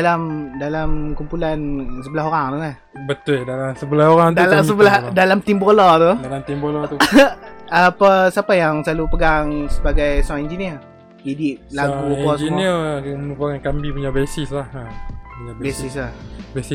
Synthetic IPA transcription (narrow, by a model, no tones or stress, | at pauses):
dalamdalamkumpulansəbəlaɦoɾaŋt̪ulah | bət̪ʊldalamsəbəlahoɾaŋt̪dlasəbəladalamt̪imbolɔt̪udalamt̪imbolɔt̪u | apasapajaŋsəlalupəɡaŋsəbaɡajsuaŋind͡ʒiniər | idɪʔ̚laɡukasd͡ʒiniəmənupakankambipuɲaʔbesislahapuɲabbesislahbesi